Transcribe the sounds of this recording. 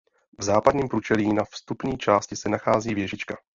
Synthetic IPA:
vzaːpadɲiːmpɾut͡ʃɛliːnafst̪upɲiːt͡ʃaːscɪsɛnaxaːziːvjɛʒɪt͡ʃka

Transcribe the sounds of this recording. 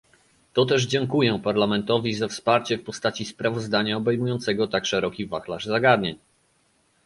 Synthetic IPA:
t̪ɔt̪ɛʐd͡ʑɛŋkujɛpaɾlamɛnt̪ɔvʲizafspaɾt͡ɕɛfpɔst̪at͡ɕispɾavɔzd̪aɲaɔbɛjmujɔnt̪sɛɡɔt̪akʂɛɾɔkʲivaxlaʐzaɡad̪ɲeɲ

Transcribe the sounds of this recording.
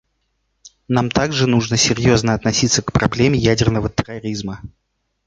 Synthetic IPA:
namt̪aɡʐɨnuʐnəsʲɪɾʲjo̞znəɐt̪nɐsʲit̪səkpɾɐblʲemʲɪjædʲɪrnəvət̪ɨrɐɾʲizmə

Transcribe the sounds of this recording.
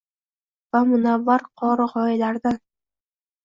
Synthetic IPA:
vamʊnavːaɾqʰɒɾɨʁɒɪlaɾd̪an

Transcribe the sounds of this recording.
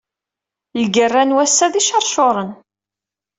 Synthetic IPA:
lɡərːænwæsːæðiʃɑɾˤʃoɾˤən

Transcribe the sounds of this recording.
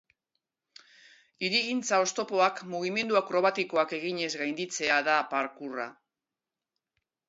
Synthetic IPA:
iɾiɣint͡sao̞st̪o̞po̞akmuɣ̞ime̞nd̪uakɾo̞β̞at̪iko̞ake̞ɣ̞iɲe̞zɣajnd̪it͡se̞aðapaɾkura̰

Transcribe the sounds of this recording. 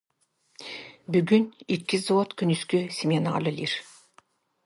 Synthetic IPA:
byɡynikːizoot̪kʰynyskysʲimʲenɑ̰lɯlʲiɾ

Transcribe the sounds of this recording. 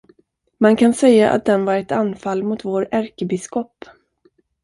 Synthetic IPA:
mankʰansɛjːaʔa̰t̪̚d̪ɛnvaɾɛt̪anːfalmʊt̪voːɾæɾkəbɪskɔpː

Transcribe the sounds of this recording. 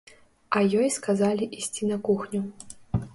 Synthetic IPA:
ɐjɔjskazalʲiʔisʲt͡sʲinɐkuxnʲu

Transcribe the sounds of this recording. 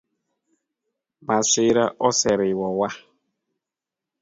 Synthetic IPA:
masɪɾaʔɔsɛɾɪwɔwa

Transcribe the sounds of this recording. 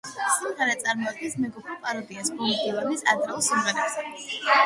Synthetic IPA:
samʁaɾɛt̪sʼaɾmɔad̪̚ɡɛnsmɛɡɔpʰɾɛpʼaɾɔd̪iasbɔlid̪ʼilˠaɾnisad̪ɾɛulˠsimʁɛɾɛbz̥ɛ

